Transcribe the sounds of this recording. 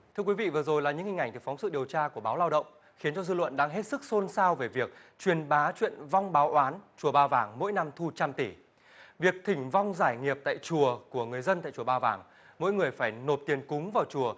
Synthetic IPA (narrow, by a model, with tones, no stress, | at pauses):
t̪ʰɨ˧əkwi˨˦vḭ˧˨vɨ˨˩zo˨˩jlaː˨˩ɲɨ̰˧˥ŋhï˨˩ŋ̟ʔŋ̟t̪ɨ˨˩fɔ˨˦ŋ͡msɨ̰˧˨ɗi˨˩əwt͡ɕaː˧ku˧˩əɓaː˨˦wlaː˧wɗə̰˧˨wŋ͡m | xi˨˦ənt͡ɕɔ˧zɨ̰˧lwə̰˧˨nɗa̰ː˧ŋɦe˦˥t̚sɨ˦˥k̚so˧nsaː˧wve˨˩vi˨˩ək̚t͡ɕwi˨˩ənɓaː˨˦t͡ɕwḭ˧˨ənva˧wŋ͡mɓaː˨˦wʔwaː˨˦nt͡ɕu˨˩əɓaː˧wvaː˨˩ŋmo̰˧˥jna˧mt̪ʰu˧t͡ɕa˧mt̪i˧˩ | vi˨˩ək̚t̪ʰï˧˩ŋ̟va˧wŋ͡mzaː˧˩jŋi˨˩əp̚t̪a̰ː˧˨jt͡ɕu˨˩əku˧˩əŋɨ˨˩əjzə˧nt̪a̰ː˧˨jt͡ɕu˧˩əɓaː˧wvaː˨˩ŋ | mo̰˧˥jŋɨ˨˩əjfaː˧˩jno˨˩p̚t̪i˨˩ənkʊ˨˦ŋ͡mvaː˨˩wt͡ɕu˨˩ə